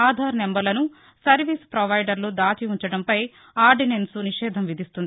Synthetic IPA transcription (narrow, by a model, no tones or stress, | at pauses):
aːd̪ʱaːɾnembɐɾlɐnu | sɐɾʋispɾɐʋɐjɖɐɾlud̪aːt͡ʃiuɲt͡ʃɐɽɐmpɐj | aːɾɖinensuniʃɛːd̪ʱɐmʋid̪ʱist̪und̪i